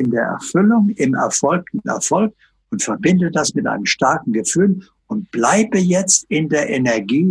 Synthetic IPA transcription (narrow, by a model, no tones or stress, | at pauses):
ɪndeːɐʔɛ̰ɐfʏlʊŋɪmɛ̰ɐfɔlk̚tn̩ɛ̰ɐfɔlk̚ | ʊntfɛɐbɪndəd̥asmɪtʔa̰ɪnəmʃtaɐkŋ̩ɡəfyːl | ʊnt̚b̥laɪbəjɛt͡stɪndeːɐʔenɛɐɡiː